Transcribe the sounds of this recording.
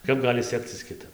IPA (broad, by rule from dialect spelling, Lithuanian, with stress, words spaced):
ˈkɐp ˈɡɑːlʲɪ ˈsʲæːkt͡sʲɪs kʲɪˈtɐp